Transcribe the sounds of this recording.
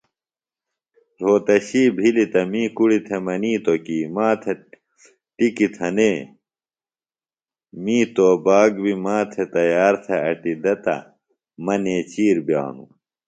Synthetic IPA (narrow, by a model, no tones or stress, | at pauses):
ɾoːt̪ɐɕiːbʱilit̪ɐmĩːkuɽit̪ʰemɐniːt̪okiːmãːt̪ʰe | ʈikit̪ʰɐneː | mĩːt̪oːbaːɡbimaːt̪ʰet̪ɐjaːɾt̪ʰeɐʈid̪ɐt̪ɐ̰ | mɐneːt͡ɕiːɾbja̰ːnṵ